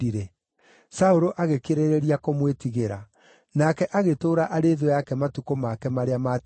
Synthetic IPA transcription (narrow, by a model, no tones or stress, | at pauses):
iɾɛ | saoɾoʔaɣekeɾeɾeɾiakomwetiɣeɾa | nakɛʔaɣetoːɾaʔaɾeːðwɛjakɛmatukomakɛmaɾeama